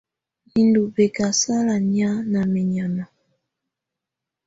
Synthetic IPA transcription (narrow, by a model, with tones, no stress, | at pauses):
i˨ndu˨be˨ka˨sa˦la˨ɲi˦a˦na˨me˨ɲa˨ma˨